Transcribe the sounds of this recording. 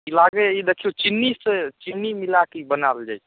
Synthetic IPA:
ilaɡeid̪ekʰiut͡ʃinːiset͡ʃinːimilakibənald͡ʒa̰j

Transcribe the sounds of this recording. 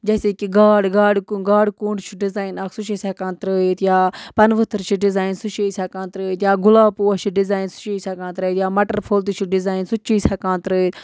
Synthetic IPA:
d͡ʒɛːseːkiɡaːɽɡaːɽkɡaːɽkuːɳɖt͡ʃʰiɖɪzaːinɐksut͡ʃesʲaːkãːnt̪ɾəːit̪jaːpɐnʋət̪ʰəɾt͡ʃʰiɖɪzaːinsut͡ʃesʲaːkãːnt̪ɾəːit̪jaːɡʊlaːpuːat͡ʃʰiɖɪzaːinsu̥t͡ʃeːsʲaːkãːnt̪ɾəit̪jaːmɐʈəɾpʰoːlt̪it͡ʃʰiɖɪzaːinsut͡ʃiːsʲaːkãːnt̪ɾəːit̪

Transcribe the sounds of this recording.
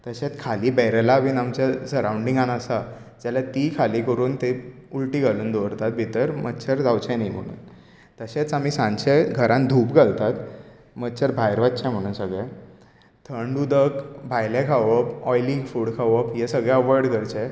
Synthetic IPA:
t̪əɕet͡skʰaliːbɛɾəlaʋiːnamt͡ɕasəɾawɳɖĩŋɡãnasa | d͡ʑalat̪ikʰaliːkəɾuːnt̪eulʈiːɡʱaluːnd̪oʋɾt̪at̪̚bʱit̪əɾmətːɕʰəɾd͡zʱawt͡ɕɛ̃naim̤əɽ̃ṵːn | t̪əɕet͡samiːsãɲɕeɡʱəɾãnd̪ʱuːpɡʱalt̪at̪ | mətːt͡ɕʰəɾbʱajɾʋat̪t͡ɕjãm̤əɽ̃uːnsəɡɭɛ | t̪ʰəɳɖud̪əkbʱajlɛ̃kʰaʋəpɔjliŋɡfuːɽkʰaʋəpjesəɡɭaəʋɔɾɽkəɾt͡ɕe

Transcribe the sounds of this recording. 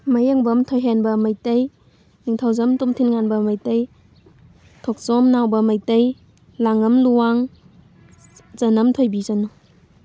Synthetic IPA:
majeŋbɐmtʰojɦenbɐmajtɐj | niŋtʰawzamtumtʰinŋanbɐmɐjtɐj | tʰɔk̚sɔmnawbɐmɐjtɐj | laŋɐmluwaŋ | zɐnɐmtʰojbizanu

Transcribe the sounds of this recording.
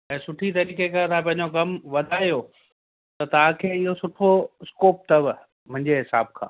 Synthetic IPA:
ɛ̃ːsʊʈʰit̪ɐɾiːkekɐt̪ʰãpɐ̃ɦɪ̃ɲd͡ʑokɐmʋɐd̪ʱaːjo | t̪ɐt̪ɐʋ̤ãkʰeːɪɦosʊʈʰoɪskoːp̚t̪ɐʋ | mʊ̃ɦɪ̃ɲd͡ʑeɦɪsa̰ːb̚kʰã̰ː

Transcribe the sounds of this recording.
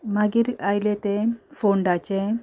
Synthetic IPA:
maɡiːɾajlet̪efoɳɖat͡ɕe

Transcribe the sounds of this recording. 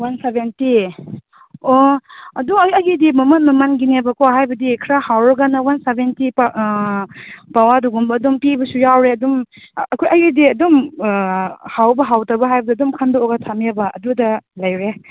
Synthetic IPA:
wansebenti | oɐduɐɡidimɐmɐt̚mɐmɐnɡinebɐkoɦajbɐdikʰɾahawɾɐɡanɐwansebenti | pawaduɡumbɐːdumpibɐsujawɾeɐdum | ɐkʰujɐɡidiɐdɔm | hawbɐɦawtabɐɦajbɐdiɐdumkʰɐndɔoɡatʰamebɐɐ̰dudɐlɐjɾe

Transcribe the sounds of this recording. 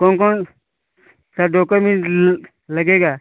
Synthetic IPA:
koŋkon | tadokomi | laɡeɡa

